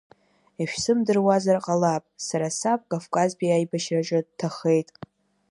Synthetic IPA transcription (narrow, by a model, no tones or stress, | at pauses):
iʃᶣsɨmdɨrwazarqʼalapʼsaɾasap̚ʼkʼavkʼazbiajbaʃraʈ͡ʂʼɨdtʰaχe̞jtʼ